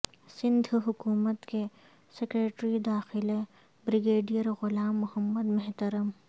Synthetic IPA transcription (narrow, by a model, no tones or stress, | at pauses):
sɪ̃nd̪ʱɦʊkuːmət̪ke | sekɾeːʈɾid̪aːxɪle | bɾɪɡeːɖijəɾɣʊlaːmːʊhəmːəd̪mɐɦt̪ɐɾəm